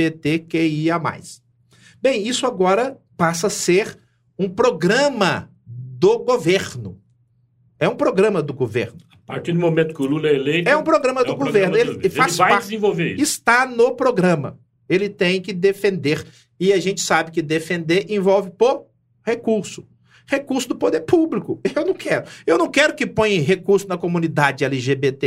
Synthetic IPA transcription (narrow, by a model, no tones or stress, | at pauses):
et̪ekeiama̰js | bẽj̃isʊaɡɔɾɐpasɐseɾ | ũpɾoɡɾɐ̃mɐ | d̪oɡoveɾnʊ | ɛũpɾoɡɾɐ̃mɐd̪ʊɡovḛɾnʊapaɾt͡ʃiɾd̪ʊmomẽnt̪ʊ̥kʲɪʊlulɛelejt̪ɛũpɾoɡɾɐ̃mɐd̪ʊɡoveɾnʊelɪfassvajad͡ʒɪzẽvowveɾisɪst̪anopɾoɡɾɐ̃mɐ̰ | elɪt̪ẽj̃kɪd̪efẽnd̪eɾ | ɪɐʒẽt͡ʃɪ̥sabɪkɪd̪efẽnd̪eɾẽvɔwvɪpo | hekuɾsʊ̥ | hekuɾsʊd̪ʊpod̪eɾpublikʊewnɐ̃w̃kɛɾʊewnɐ̃w̃kɛɾʊkɪpõj̃ɐ̃ɦekuɾsʊnɐkomũnid̪ad͡ʒɪɛliʒebet̪e